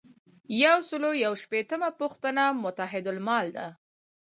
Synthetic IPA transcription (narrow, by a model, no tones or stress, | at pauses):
jawsəlojawʃpet̪əmapʊxt̪ənamʊt̪aɦɪd̪ʊlmɑld̪a